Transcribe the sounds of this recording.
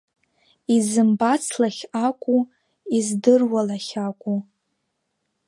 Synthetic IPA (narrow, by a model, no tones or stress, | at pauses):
izɨmbat͡sʰlaχʲakʷʼu | izdɨrwalaχʲakʷʼu